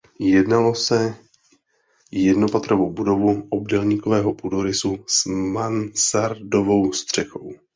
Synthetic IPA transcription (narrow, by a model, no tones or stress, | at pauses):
jɛdnalo̞sɛ | jɛdno̞pat̪ɾovowbudo̞vuʔobdɛlɲiːkovɛːɦopudoɾɪsusmansaɾdo̞vo̞wst̪r̝̥ɛxo̞̰w